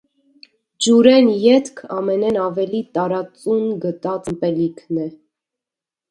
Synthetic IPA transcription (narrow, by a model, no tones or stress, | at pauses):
d͡ʒuɾɛnjɛt̪kʰɑmɛnɛnɑvɛlit̪ɑɾɑt͡sunɡət̪ɑt͡səmpɛlikʰnɛ